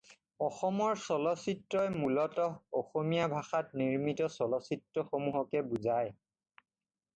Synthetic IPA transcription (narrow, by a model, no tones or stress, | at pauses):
ɔxɔmɔɹsɔlɔsitːɹɔjmulɔtɔoxomijabʱaxat̚niɹmitɔsɔlɔsitɹɔxomuɦɔkɛbuzaj